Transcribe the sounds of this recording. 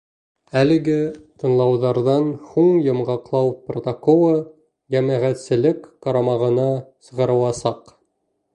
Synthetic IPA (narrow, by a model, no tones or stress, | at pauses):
ælɘ̆ɡɘt̪ɤ̆nlˠɑwðɑɾðɑnhuɴjɤ̆mʁɑqlˠɑwprot̪okolˠɤ | jæmæʁæt̪sɘ̆lɘkːɑɾɑmɑʁɤ̆nɑsɤ̆ʁɤ̆ɾɤ̆w̪ˠɑsɑq